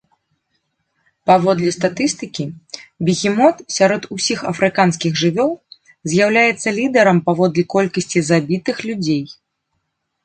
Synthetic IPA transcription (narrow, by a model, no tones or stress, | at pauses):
pavɔd̪lʲist̪at̪ɨst̪ɨkʲibʲiɣʲimɔt̪sʲaɾɔt̪usʲixɐ̰fɾɨkanskʲiɣʐɨvʲɔlˠ | zʲjawlʲajɛt̪sːɐlʲid̪ɐɾɐmpavɔd̪lʲikɔlʲkɐsʲt͡sʲizabʲit̪ɨxlʲud͡zʲej